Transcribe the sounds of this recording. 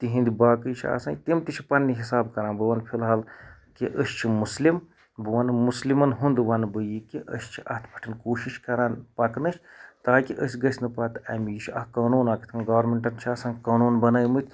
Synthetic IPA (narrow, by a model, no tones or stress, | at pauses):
t̪iɦĩnd̪ʲibaːkɨjt͡ʃʰia̰sãnt̪imt̪it͡ʃʰipɐnːiɦisaːbkɐɾãːnbɨwɐnpʰilɦɐlkiʔəsʲt͡ʃʰimuslim | bɨʋɐnmuslimɐnɦund̪ʋɐnbɨjikiʔəst͡ʃʰiʔɐt̪ʰpʰɐ̥ʈʰinkoːʃiʃkɐɾaːnpɐknɨt͡ʃʰʲt̪aːkʲiʔəsʲɡɐsʲnɨpɐt̪ɐmijit͡ʃʰiɐkaːnuːnaːki̥t̪ʰɐnɡɐːʋɐɾmeɳʈɐnt͡ʃʰiɐsãːŋkaːnuːnbɐnɐːjmɨt̪ʲʰ